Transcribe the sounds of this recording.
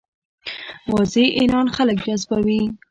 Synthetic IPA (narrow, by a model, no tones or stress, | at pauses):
wɑzeʔɪlɑnxaləkd͡ʒazbawi